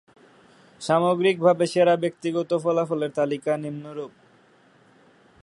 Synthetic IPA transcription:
ʃamoɡɾik̚bʱabeʃeɾabek̚t̪iɡɔt̪ofɔlafoleɾt̪alikanimnoɾub̚

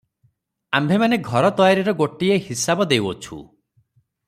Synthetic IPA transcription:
ambʱemaneɡʱɔɾɔt̪ɔjaɾiɾɔɡoʈiehisabɔd̪ewɔt͡ʃʰṵ

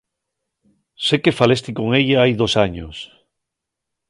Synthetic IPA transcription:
sekefalest̪ikoŋeʎaajðosaɲo̰s

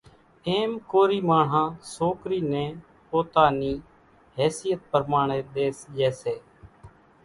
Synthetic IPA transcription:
eːmkoːɾiːmaːɳ̤ɦãːsoːkɾiːnɛ̃ː | poːt̪aːniː | ɦɛːsɪjət̪̚pəɾmaːɳ̃eːɗ̪eːsd͡ʒɛːseː

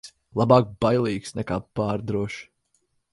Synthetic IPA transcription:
s | lˠabɑːk̚bajlˠiːksnɛkaːpaːɾd̪ɾuɔʃ

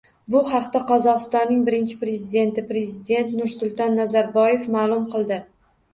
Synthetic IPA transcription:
bʊhɑqt̪aqʰɒzɒqɨst̪ɒnːɪŋbɪɾɪnt͡ʃʰɪ̥pɾe̞zɪd̪e̞nt̪ɪpɾe̞zɪd̪e̞nt̪nʊɾsʊlˠt̪ɒnːazaɾbɒje̞fmaːlˠʊmqʰɨlˠd̪ɪ

